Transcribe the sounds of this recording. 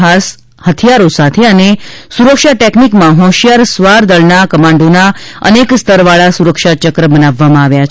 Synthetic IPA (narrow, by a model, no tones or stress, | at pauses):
ɦas | hət̪ʰjaɾosat̪ʰeənesuɾəkʃaʈeknikmãɦɔ̃ʃjaɾsʋaɾd̪əɭnakəmãɳɖonaə̰nekst̪əɾʋaɭasuɾəkʃat͡ʃəkɾəbənaʋːamãaʋjat͡ʃʰ